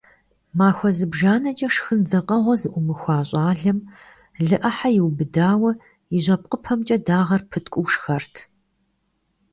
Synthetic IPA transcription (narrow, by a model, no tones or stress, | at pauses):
maːxʷɔzɨbʒaːnɐt͡ʃʼɐʂxɨnzɐqʼɐʁʷɔzɨʔʷʊmɨxʷɑːɕʼɑːɮɐm | ɮɨʔɐħajɪwbɨdaːwɐ | jɪʑʷɐp̚qʼəpʰɐmt͡ʃʼɐdaːʁɐrpʰɨtʰʼkʷʼʊwʂxɐrtʰ